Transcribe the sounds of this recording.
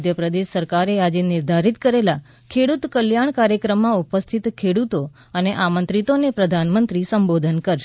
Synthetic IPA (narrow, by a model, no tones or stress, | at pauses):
d̪ʱjəpɾəd̪eʃsəɾkaɾead͡ʒenɪɾd̪ʱaɾit̪kəɾela | kʰeɽut̪kəljaɳ̃kaɾjəkɾəmːãupəst̪ʰit̪kʰeɽut̪o | əneʔamənt̪ɾit̪onepɾəd̪ʱanmənt̪ɾisəmbod̪ʱənkəɾʃ